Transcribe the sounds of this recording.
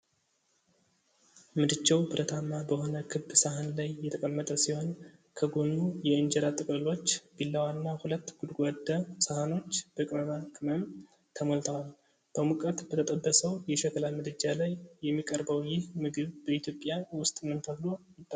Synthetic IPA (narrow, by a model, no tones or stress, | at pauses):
mɨd̪ɨt͡ʃːɛwbɨɾʔət̪ʰamːabəho̞nəkʰɨbːsahanlajːɛt̪ʰəkʼəmːət̪ʼəsiho̞nkʰəɡo̞nːujɛɨnd͡ʒɛɾat̪ʼɨkʼlɨlo̞t͡ʃːb̥ilːawanːahulət̪ːɡ̥ud̪ɡʷad̪ːəsahano̞t͡ʃːb̥əkʼɾənakʼɨməm | t̪ʰəmolt̪ʰəwal | b̥əmukʼət̪b̥ət̪ʰət̪ʼəbːəsəwjɛʃɛkʰəlamɨd̪ɨd͡ʒalajːɛmːikʼəɾbəwjɪhmɨɡɨβbəit̪ʰjo̞pʼjawʊst̪ʼmɨnt̪ʰəblo̞jɪt̪ʼː